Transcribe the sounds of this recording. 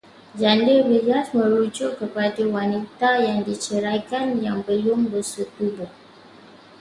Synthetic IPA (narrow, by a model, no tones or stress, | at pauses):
d͡ʒandəbəjasmə̃ɾud͡ʒʊʔkːəpadawanit̪ajaŋdit͡ʃəɾajkanjaŋbəlʊŋbəsut̪ubʊh